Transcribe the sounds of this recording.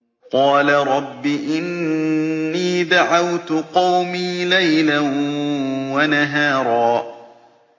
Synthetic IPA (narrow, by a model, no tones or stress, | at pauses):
qɑːlaɾˤɑbːiʔɪnː | iːd̪aʕawt̪ʊqɑwmiːlajlan | wanaɦaːɾˤɑː